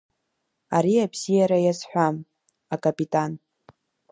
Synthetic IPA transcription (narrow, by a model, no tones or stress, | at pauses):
aɾiabz̥ijaɾajazħʷᶣam | akʼapʼitʼan